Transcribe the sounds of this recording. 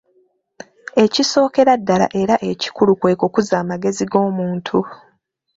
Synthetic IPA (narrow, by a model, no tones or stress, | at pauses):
e̞ciso̞ːke̞ɾadːala̰ʔe̞ɾaʔe̞ci̥kulukwe̞ːko̞kuzaːmaɡe̞ziɡo̞ːmuːntʰu